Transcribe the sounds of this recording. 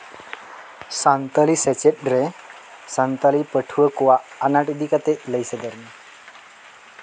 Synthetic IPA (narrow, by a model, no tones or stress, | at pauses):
sãnt̪aliset͡ɕep̚ɖɾe | sant̪alipəʈʰʋəkoʋaːnaʈid̪ikat̪eləjsed̪əɾni